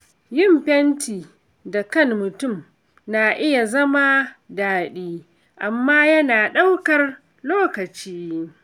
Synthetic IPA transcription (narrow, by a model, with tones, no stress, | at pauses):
jɪ˦˨mɸɛ˦ntiː˨ | da˨kɐ˦˨nːʊ˨tʊ˦˨m | naː˨ʔɪ˦ja˨zɐ˦ma˦daː˨ɗiː˦ | ʔa˨mːaː˦jɐ˦naː˨ɗɐ˦wkɐ˨r | loː˦kɐ˨t͡ʃiː˦